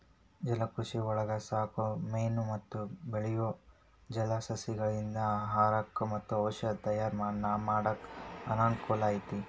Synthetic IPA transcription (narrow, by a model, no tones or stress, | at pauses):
d͡ʒɛlɐkɾuʂiɔɭɐɡɐsaːkumejnumɐt̪ːubeɭijo | d͡ʒɛlɐsɐsiɡɐɭind̪ɐɦaːɾɐkːmɐt̪ːuɐwʃɐt̪ɐjaːɾmaːɽnːɐmaːɽɐkɐnaːɳkoːlaːjit̪i